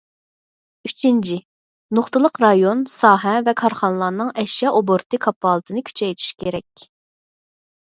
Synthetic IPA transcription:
yt͡ʃʰint͡ʃʰɪ | noχt̪ɨlˠəqɾɑjonsɑːɦɛvɛkʰɑɾχɑnəlˠɑnɨŋɛʃjɑʔoboɾt̪ʰɨkʰɑpːɑːlˠət̪ʰɨnɨkʲʰy̥t͡ʃʰɛjt̪ʰi̥ʃkʲʰeɾɛkʲ

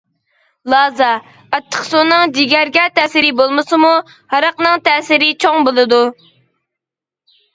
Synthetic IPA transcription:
lˠɑːzɑ | ɑt̪ʰːə̥qsonɨŋd͡ʒiɡʲæɾɡʲɛt̪ʰɛːsɪɾɪbolˠmɨsɨmu | hɑɾɑqnɨŋt̪ʰɛːsɪɾɪt͡ʃʰoŋbolˠɨd̪u

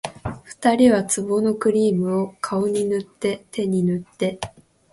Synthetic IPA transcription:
ɸɯ̟̥t̪aɾʲiβat͡sɨbo̞no̞kɯ̟ɾʲiːmɯ̟o̞kʰao̞ɲ̟inɯ̟t̪ːe̞t̪e̞ɲ̟inɯ̟t̪ːe̞

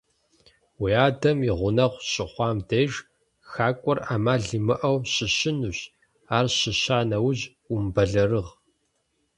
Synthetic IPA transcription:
wiaːdɐmiʁʷʊnɐʁʷɕʼɪχʷɑːmdeːʒ | xaːkʷʼɔraːmaːɮimɨʔɐwɕɪɕɪnuːɕ | aːrɕɪɕaːnɐwʊʑ | umbɐɮɐrɨʁ

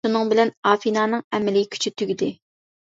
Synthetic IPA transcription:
unɨŋbɪlɛnɑːfinɑːnɨŋɛmɪlɪkʲʰy̥t͡ʃʰyt̪ʰyɡʲid̪ɪ

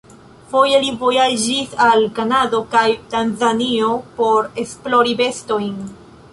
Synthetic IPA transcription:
fo̞jelivo̞jad͡ʒisalkanado̞kajtanzanio̞po̞ɾe̞splo̞ɾibe̞sto̞jn

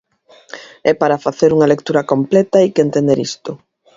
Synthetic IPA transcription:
ɛpaɾafaθeɾuŋɐlekt̪uɾɐkomplɛt̪ɐikent̪ẽnd̪eɾḭst̪ʊ

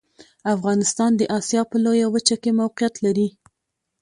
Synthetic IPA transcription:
afɣɑnɪst̪ɑnd̪əʔɑsjɑpəlojawət͡ʃakemawqijat̪laɾi

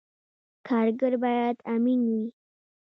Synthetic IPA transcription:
kʰaɾɡəɾbajad̪amini

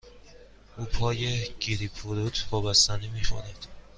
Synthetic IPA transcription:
ʔuːpʰɒːjeɟ̥iɾipʰuɾut̪ʰvɒːbæst̪ænemiːxo̰næd̪̥

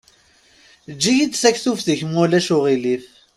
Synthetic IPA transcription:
d͡ʒːijit͡s̪ːsæçθufθəçmʊlæʃʊʁiliθ

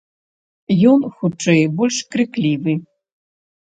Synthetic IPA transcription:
jɔnxut͡ʂːɛjbɔlʲʂkɾɨklʲivɨ

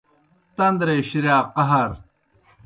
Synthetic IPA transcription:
t̪ɐnd̪ɾeːɕiɾjaːqɐɦɐɾ

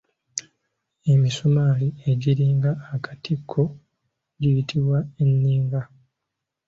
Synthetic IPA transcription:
e̞misomaːlie̞ɟiɾiːŋɡaːkḁtʰikʰːo | ɟijitʰiβwaenːiːŋɡa

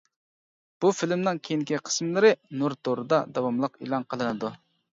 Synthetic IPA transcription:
b̥ufilmnɪŋkʲʰejinŋkʲiqʰə̥smlˠɨɾɨnuɾd̪oɾɨd̪ɑd̪ɑwɑmlˠəqḭlˠɑnqʰəlˠɨnɨd̪u

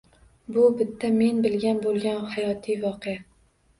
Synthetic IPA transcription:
bʊbɪt̪ʰːame̞nbɪlɡʲanbolˠɡʲanhajɒt̪ʰijvɒqʰeja

